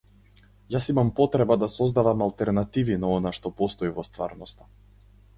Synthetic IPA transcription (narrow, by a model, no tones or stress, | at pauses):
jasimampɔt̪ɾɛbad̪asɔzd̪avamalˠt̪ɛɾnat̪ivinaɔnaʃt̪ɔpɔst̪ɔivɔst̪va̰ɾnɔst̪ḁ